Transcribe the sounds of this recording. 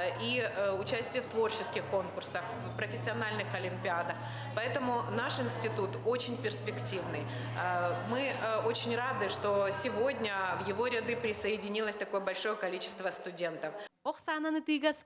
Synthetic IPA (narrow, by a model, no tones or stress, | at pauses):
iʊt͡ɕæsʲtʲɪjəft̪vo̞rt͡ɕɪskʲɪxko̞nkʊrsəx | fpɾəfʲɪsʲːɪɐnalʲnɨxɐlʲɪmʲpʲɪad̪ɐx | pɐɛt̪əmʊnaʂɪnsʲtʲɪt̪ut̪o̞t͡ɕɪnʲpʲɪrspʲɪktʲivnɨj | mɨo̞t͡ɕɪnʲrad̪ɨʂt̪o̞sʲɪvo̞dʲnʲəvjɪvo̞ɾʲɪd̪ɨpɾʲɪsəɪdʲɪnʲilˠəsʲt̪ɐko̞jəbɐlʲʂo̞jəkɐlʲit͡ɕɪ̥st̪vəst̪ʊdʲe̞nt̪əfoχsanɐnɨt̪ɨɡɐs